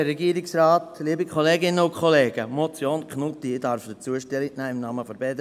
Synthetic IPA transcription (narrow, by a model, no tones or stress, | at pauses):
ɾɛɡiːɾɪksraːtliːbikʰχɔleːɡɪnəʊnkʰχɔleːɡ̥əmot͡sjoːnkʰnʊtiɪdɑɾfd̥ət͡suəʃtɛlɪknɛːɪmnɑːməfɔɾbɛdə